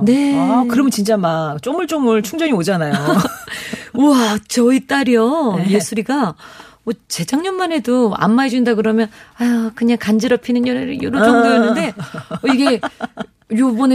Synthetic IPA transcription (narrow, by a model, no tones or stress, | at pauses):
ne̞akɯɾʌmjʌnt͡ɕint͡ɕ͈amak̚t͡ɕ͈omɯɭt͡ɕ͈omɯɭt͡ɕʰuŋd͡ʑʌɲiod͡ʑanajo | uat͡ɕʌit͈aɾiʌjesʰuɾiɡa | ʌt͡ɕe̞d͡ʑaŋɲʌmːane̞doa̰mːaed͡ʑuindaɡɯɾʌmjʌnakɯɲaŋkand͡ʑiɾʌpʰinɯnjʌɾeɾɯjoɾod͡ʑʌŋɡujʌnːnde̞ʌiɡe̞ | jobʌn